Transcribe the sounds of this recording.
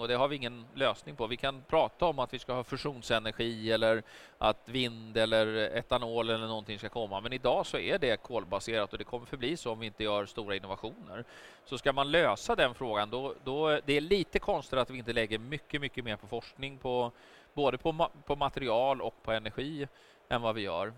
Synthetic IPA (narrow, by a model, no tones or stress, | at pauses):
ɔd̪ɛɦaɾvɪɪŋːənløːsnɪŋpʰɔvɪkʰanpʰɾɑːt̪aɔmat̪vɪskahɑːfœʂuːnsɛnæɾɧiːɛlːəɾ | ʔat̪vɪnd̪ɛlːəɾɛ̰t̪ːanoːlɛlːəɳɔnt̪ɪŋskakʰɔmːamɛnɪd̪ɑːsɔæɖɛkʰoːlbaseːɾat̪ɔd̪ɛkʰɔmːəɾfœbliːsoɔmvɪɪnt̪əjœːɾst̪uːɾaɪnːʊvaɧuːnə̰ɾ | sɔskamanløːsad̪ɛnfɾoːɡand̪ɔd̪ɔd̪ɛæɭiːt̪əkʰɔnst̪ɪɾat̪vɪɪnt̪əlɛɡːəɾmʏkːəmʏkːəmeːɾpʰɔfɔʂknɪŋpʰɔ | boːd̪əpʰɔpʰɔmat̪ɛɾɪɑːlɔ̰kpʰɔɛnæɾɧiː | ɛnvavɪjœ̰ːɾ